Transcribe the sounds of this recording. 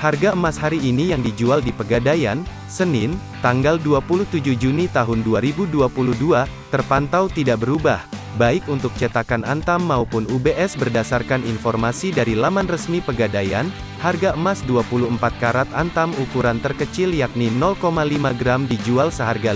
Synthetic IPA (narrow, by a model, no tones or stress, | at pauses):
harɡaəmashaɾiːnijaŋdid͡ʒualdipəɡadajan | sənɪn | t̪aŋɡalduapuluht̪ud͡ʒuhd͡ʒunit̪aɦʊnduaɾibuduapuluhduat̪ərpant̪awt̪idaʔbəɾubah | baɪkunt̪ʊk̚t͡ʃət̪akanant̪amːaupʊnubeʔɛsbərdasarkaninfɔrmasidaɾilamanrəsmipəɡadaja̰n | harɡaəmasduapuluəmpat̪̚kaɾat̪̚ant̪amukuɾant̪ərkət͡ʃɪljak̚ninɔlkomalimaɡɾamdid͡ʒualsəɦarɡa